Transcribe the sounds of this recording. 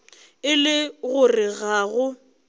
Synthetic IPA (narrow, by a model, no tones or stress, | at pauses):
ɪlɪɣʊrɪɣaːɣʊ